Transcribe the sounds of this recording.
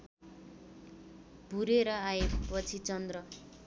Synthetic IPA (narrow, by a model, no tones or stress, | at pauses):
bʱuɾeɾʌaepʌt͡sʰit͡sʌnd̪rʌ